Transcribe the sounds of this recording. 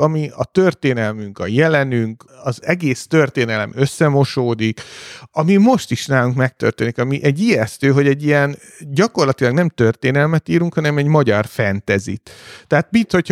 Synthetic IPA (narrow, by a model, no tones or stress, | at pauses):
ɒmiɒt̪ørt̪eːnɛlmyŋkɒjɛlɛnyŋk | ɒzɛɡeːst̪ø̞rt̪eːnɛlɛ̰mø̞sːɛmo̞ʃoːd̪ikɒmimo̞ʃt̪iʃnaːluŋkmɛk̚t̪ø̰rt̪eːnikɒmiʔɛɟijɛst̪øːɦo̞ɟɛɟːijɛn | ɟɒko̞rlɒt̪ilɒɡnɛmt̪ø̞rt̪eːnɛlmɛt̪iːɾuŋkhɒnɛmɛɟmɒɟɒrfɛnt̪ɛzḭt̪t̪ːɛɦat̪bit̪ho̞c